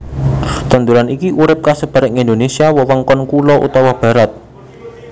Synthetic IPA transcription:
t̪ənd̪uɾanikiʔuɾɪp̚kasəb̥a̤ɾəŋind̪onesiawɔwəŋkɔnkulɔʔṵt̪ɔwab̥ä̤ɾat̪̚

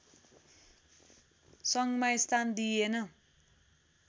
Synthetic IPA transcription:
sʌŋɡmaist̪ʰand̪ienʌ

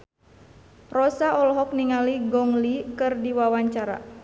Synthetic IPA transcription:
rɔsaʔɔlɔɦɔk̚niŋaliɡɔŋlikɨrdiwawaɲt͡ʃaɾa̰

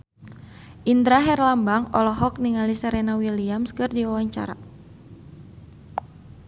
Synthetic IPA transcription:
ʔind̪ɾaɦɛrlambaŋɔ̰lɔɦɔk̚niŋalisɛɾenawiliamskɨrdiwawaɲt͡ʃa̰ɾa̰

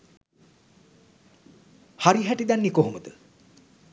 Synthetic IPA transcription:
haɾiɦæʈid̪anːikoɦuməd̪ə

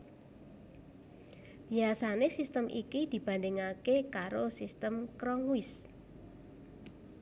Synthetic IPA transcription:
b̥iasanesist̪əmʔikid̪̥i̤b̥a̤ndɪŋakekaɾosist̪əmkɾɔŋwɪs

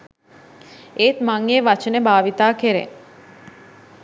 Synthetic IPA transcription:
eːt̪maŋeʋat͡ʃənebaːʋit̪aːkeɾḛ

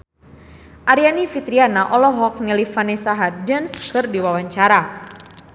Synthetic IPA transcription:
ʔaɾianifit̪ɾianaʔɔlɔɦɔk̚nilifanɛsaɦat̪̚dənskɨrdiwawaɲt͡ʃaɾa

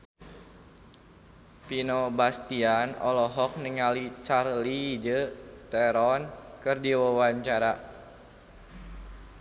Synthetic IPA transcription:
pinobast̪ianɔ̰lɔɦɔk̚nəŋalit͡ʃarliːd͡ʒət̪ɛɾɔnkɨrdiwawaɲt͡ʃaɾa

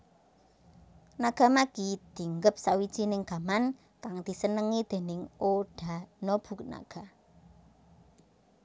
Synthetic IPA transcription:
naɡ̥a̤maɡ̥id̪̥i̤ŋɡəp̚sawid̥ʒ̥inɪŋɡ̥a̤man | kaŋd̪̥i̤sənəŋid̪̥e̤nɪŋoɖ̥a̤nob̥ṳkna̰ɡ̥a̤

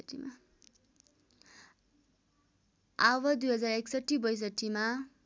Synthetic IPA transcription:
ʈima | aβʌd̪ujɦʌd͡zareksʌʈːibʌjs̬ʌʈʰːima

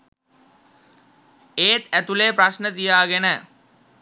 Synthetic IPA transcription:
eːt̪æt̪uleːpɾaʃnət̪ijaːɡenəː

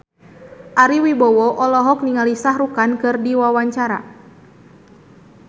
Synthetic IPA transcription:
ʔaɾiwibɔwɔʔɔlɔɦɔk̚niŋalisahrukankɨrdiwawaɲt͡ʃaɾa̰

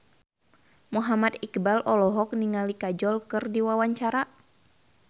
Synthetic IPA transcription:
muɦamat̪ikbalʔɔlɔɦɔk̚niŋalikad͡ʒɔlkɨrdiwawaɲt͡ʃaɾa

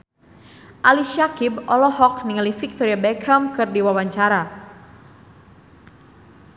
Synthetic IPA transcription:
ʔaliʃakibɔlɔɦɔkniŋalifik̚t̪ɔɾiabɛkʰamkɨrdiwawaɲt͡ʃaɾa

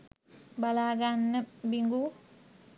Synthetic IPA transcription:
balaɡanːəbiŋɡu

